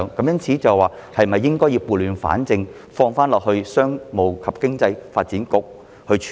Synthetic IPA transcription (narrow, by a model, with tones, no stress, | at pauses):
ŋkɐ˨˥mjɐ˥nt͡sʰiː˨˥t͡sɐ˨wwaː˨˩hɐ˨jm̩˩˨ɐ˨jːɪ˥ŋkɔː˥jiː˧wpuː˨lyː˨˧nfa̰ː˨˥nt͡sɪ˧ŋ | fɔː˧ŋfaː˥nlɔː˨k̚hɵ˧ɥsœː˥ŋmo˨wkʰɐ˨p̚kɪ˥ŋt͡sɐ˧jfaː˧t̚t͡siː˨˥nkʊ˨˥k̚ | hɵ˧t͡ʃʰ